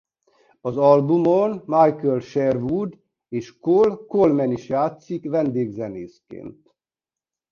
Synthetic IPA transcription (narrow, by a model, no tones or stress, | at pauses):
ɒzɒlbumonmajkɛlʃɛrʋud̪ | eːʃkolkolmɛniʃjaːt̪sikʋɛnd̪eːɡzɛneːskḛːnt̪